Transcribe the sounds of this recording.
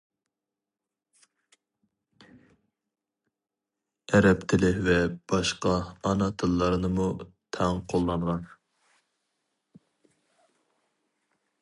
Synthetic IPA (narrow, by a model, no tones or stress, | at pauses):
ɛɾɛpt̪ʰɪlɪvɛb̥ɑʃqɑːnɑt̪ʰɨlˠːɑɾɨnɨmut̪ʰɛŋqʰolˠːɑɴʁɑn